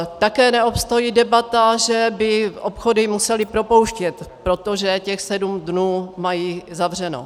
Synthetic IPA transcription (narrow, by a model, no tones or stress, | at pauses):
t̪akɛːnɛopst̪o̞jiːdɛbat̪aʒɛbɪʔopxodɪmusɛlɪpɾo̞po̞wʃcɛt̪pɾo̞t̪oʒɛcɛxsɛdumdnuːmajiːzavr̝ɛno̰